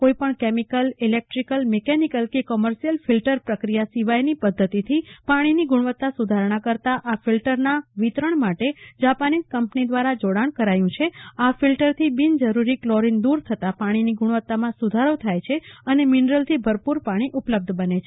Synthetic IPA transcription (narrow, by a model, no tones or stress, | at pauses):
koipəɳkemikəlilek̚ʈɾikəlmekɛnikəlkikɔməɾʃijəlfilʈəɾpɾəkɾijasiʋajnipəd̪ʱːət̪it̪ʰipaɽ̃iniɡuɳ̃ʋət̪ːasud̪ʱaɾɳ̃ãkəɾt̪aʔafilʈəɾnaʋit̪ɾəɳmaʈed͡ʒapaniskəmpnid̪ʋaɾad͡ʒoɽaɳ̃kəɾajũt͡ʃʰeafilʈəɾt̪ʰibind͡ʒəɾuɾiklɔɾind̪uɾt̪ʰət̪apaɽ̃iniɡuɳʋət̪ːamãsud̪ʱaɾot̪ʰajt͡ʃʰeəneminɾəlt̪ʰibʱəɾpuɾpaɽ̃iʔupləb̚d̪ʱbənet͡ʃʰe